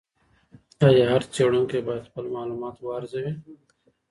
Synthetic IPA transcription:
t͡ʃaːjeɦɐɾt͡ʃeːɽõːkebaːɪt̪pɐlmaːluːmaːt̪waːɾɪzeɦɛ̃ː

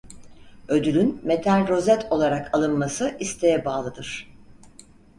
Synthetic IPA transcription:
ø̞d̪ylʲynmet̪ʰænɾo̞zɛt̪ʰo̞lˠaɾakʰalˠɯnmasɯʔist̪ʰe̞jɛbaːlˠɯd̪ɯɾ̥

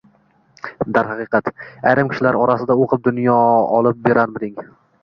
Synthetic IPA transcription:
d̪aɾɦɑqɨqɑt̪ajɾɪmkʲʰɪ̥ʃɪlaɾɒɾasɪd̪aoqʰɨp̚d̪ʊnjɒɒ̰lˠɪp̚beɾʔanmɪd̪ɪŋ

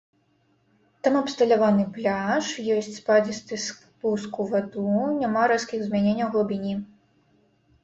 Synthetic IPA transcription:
t̪amɐpst̪ɐlʲavanɨplʲaʂjɔsʲt͡sʲspad͡zʲist̪ɨs | puskuvad̪unʲamaɾaskʲiɣzmʲanʲenʲːɐwɣˠɔbʲinʲi

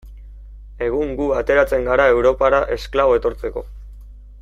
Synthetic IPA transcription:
e̞ɣ̞uŋɡuat̪e̞ɾat͡se̞ŋɡaɾae̞wɾo̞paɾaʔe̞sklaβo̞e̞t̪o̞ɾt͡se̞ko̞̰

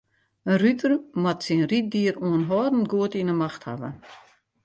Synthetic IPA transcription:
ənrytʰərmatsinrit̚diːəɾuənɦɔːdn̩ɡuətinəmaxtha̰ʋə̰

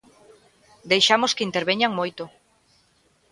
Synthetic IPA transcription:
d̪ejʃamoskɪint̪eɾβeɲaŋmojt̪ʊ

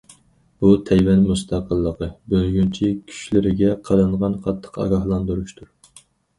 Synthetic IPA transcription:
b̥ut̪ʰɛjwɛnmust̪ʰɑqəlˠːəqəbølɡʲynt͡ʃʰikʲʰy̥ʃlɪɾɪɡʲɛqʰɑɾɨɴʁɑnqʰɑt̪ʰːə̥qɑ̰ɡɑhlˠɑnd̪uɾuʃt̪ʰuɾ

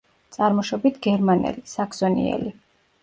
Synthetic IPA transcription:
t̪sʼaɾmɔʃɔbit̪ʰɡɛɾmanɛ̰lisakʰz̥ɔnḭɛ̰li

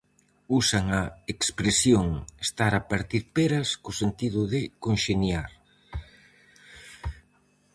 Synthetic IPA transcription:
usaŋɐekspɾesjoŋest̪aɾapaɾt̪iɾpeɾɐskosent̪iðʊðɪkonʃenjaɾ

